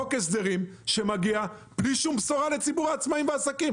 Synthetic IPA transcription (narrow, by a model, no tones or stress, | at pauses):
okes̬d̪e̞ʁimʃe̞maɡiab̥liʃumbsoʁale̞t͡sibuʁaːt͡smaimveasakim